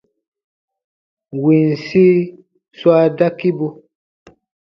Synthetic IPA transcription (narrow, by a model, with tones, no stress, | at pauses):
wi˨n˨si˦ | swa˦da˦ki˦bu˧